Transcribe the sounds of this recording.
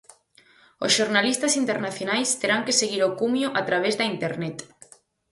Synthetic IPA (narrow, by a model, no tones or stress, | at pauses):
osʃoɾnalist̪asint̪eɾnaθjonajst̪eɾaŋkeseɣiɾokumjoʔat̪ɾaβ̞ezðɐint̪eɾnɛt̪